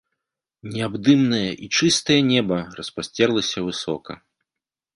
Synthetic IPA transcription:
nʲɛabd̪ɨmnɨjɐʔit͡ʂɨst̪ɐjɐnʲɛbɐrɐspasʲt͡sʲɛrlˠɐsʲɐvɨsɔ̰kɐ̰

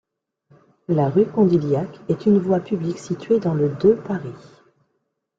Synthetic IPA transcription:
laʁykɔ̃d̪iljakɛt̪ynvwapybliksit̪ɥed̪ɑ̃ləd̪øpaʁi

